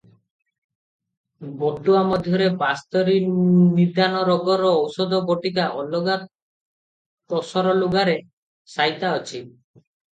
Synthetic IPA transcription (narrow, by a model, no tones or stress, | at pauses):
bɔt̪uamɔd̪ʱjɔɾepast̪ɔɾinid̪anɔɾɔɡɔɾɔːwsɔd̪ɔbɔʈikaʔɔlɔɡa | t̪ɔsɔɾɔluɡaɾe | sajt̪aɔt͡ʃʰi